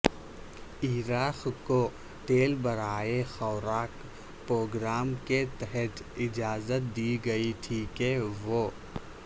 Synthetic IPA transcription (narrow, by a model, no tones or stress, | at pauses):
iːɾaːxko | ʈeːlbɐɾaːexɔːɾaːk | pɾoːɡɾaːmket̪ɛɦɛt̪ | ɪd͡ʒaːzət̪̚d̪iːɡɐiʈʰiːkeʋoː